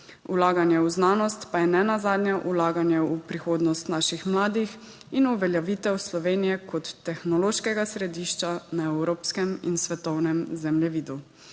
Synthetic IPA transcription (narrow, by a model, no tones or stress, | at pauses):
ulaːɡanjɛuznaːnɔst̪pajɛnɛnazaːd̪njaʔulaːɡanjɛupɾixoːd̪nɔst̪naʃixmlaːd̪ix | inuʋɛljaʋiːt̪ɛwslɔʋeːnijɛkɔt̪ːɛxnɔloːʃkɛɡasɾɛd̪iːʃt͡ʃanaɛwɾoːpskɛmḭnsʋɛt̪ɔwnɛmzɛmljɛʋiːd̪u